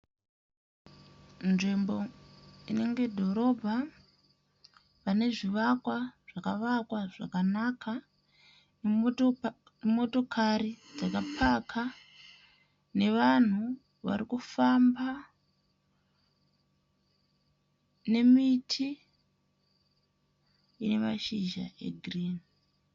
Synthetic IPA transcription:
nʐembo̞ine̞ŋɡe̞dʱo̞ɾo̞bʱa | pane̞ʐiʋakwaʐ̥akaʋakwaʐakanakʰa | mo̞to̞kʰaɾid͡zakapʰakʰa | ne̞ʋan̤u | ʋa̰ɾikufamba | ne̞mitʰi | ine̞maʃiʒa̰ʔe̞̰ɡʱriːni

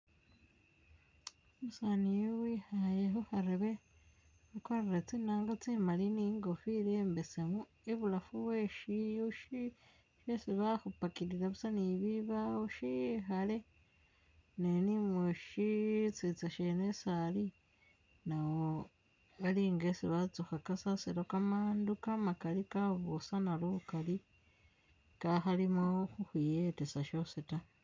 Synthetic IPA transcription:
omusaːnijowihajeɦohaɾeβe | akwaɾeɾet͡sinaːŋɡat͡simaliniŋɡofiɾeːmbesemu | eβulafuβweʃiuʃi | ʃesiβahupakiɾiɾaβusaniβiβauʃiɦale | nenimweʃit͡sit͡saʃenesali | nawo | aliːŋɡesiβat͡suxakasasiɾokamaːndukamakalikaβusanalukali | kaxalimoxuxujetesaʃoseta

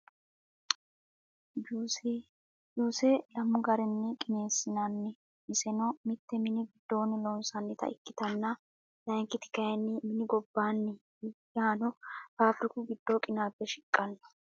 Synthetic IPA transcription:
juːsɛlɐmːʊɡɐɾɛnːɛkʼɪne̞ːsːɪnɐnːɪ | mɪsɛnɔmɪt̪ːɛmɪnɪɡɪd̪̥ːo̞ːnɪlɔnsɐnːɪt̪ɐ̰ɪ̰kːɪt̪ɐnːɐ | lɐŋkːɪt̪ɪ̥kɐjɛnːɪmɪnɪɡɔbːaːnːɪ | jaːnɔpaːfɾɪkʊɡɪd̪̥ːoːkʼɪnaːbːɛʃɪkʼːɐnːɐ̥

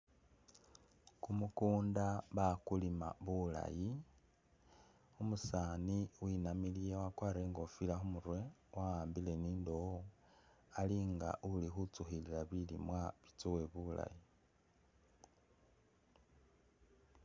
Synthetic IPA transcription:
kumukuːndaβakulima̰βula̰ji | umusaːniwinamilijewakwaːɾeŋɡo̞filaxumuɾwe̞wawaːmbile̞niːndowo | aliŋɡa̰ʔulixut͡suxililaβilḭmwaβit͡suwe̞βula̰ji

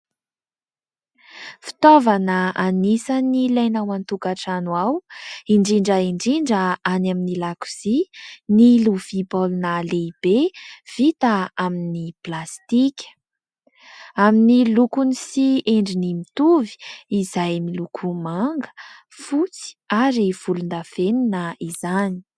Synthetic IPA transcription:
fi̥t̪ovanəanisənilajnawant̪ukaʈ͡ʂanwawiɳɖ͡ʐiɳɖ͡ʐəiɳɖ͡ʐiɳɖ͡ʐəanaminilaku̥z̥iniluv̥ipolunaleib̥ev̥it̪əaminiplast̪ikʲə̥ | aminilukunisieɳɖ͡ʐinimit̪uvi̥izajmilukʰumaŋɡə̥ | fut͡si̥aɾiv̥ulund̪afeninəizani̥

